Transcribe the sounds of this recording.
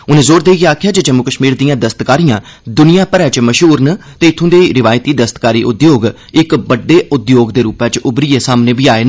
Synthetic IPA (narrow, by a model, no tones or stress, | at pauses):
ʊnẽːzoːɾd̪eːiɡeaːkʰɪjaːd͡ʒed͡ʒəmʊkəʃmiːɾd̪ɪjãːd̪əst̪kaːɾijãː | d̪ʊnijãːpəɾɛːt͡ʃməʃɦuːɾnət̪eːɪt̪ʰːʊ̃ːd̪eːiɾɪʋaːjt̪iːd̪əst̪kaːɾiːʔʊd̪joːɡ | ɪkbəɖːeːʊd̪joːɡd̪eːɾuːpɛːt͡ʃʊbɾiːeːsaːmnẽːbʱiːaːeːn